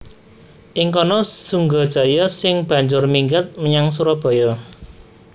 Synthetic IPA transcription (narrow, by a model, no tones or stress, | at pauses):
ʔɪŋkɔnɔsuŋɡɔd̥ʒ̥a̤jɔsɪŋb̥ä̤ɲd͡ʒʊrmiŋɡat̪̚məɲaŋs̬uɾɔb̥ɔ̤jɔ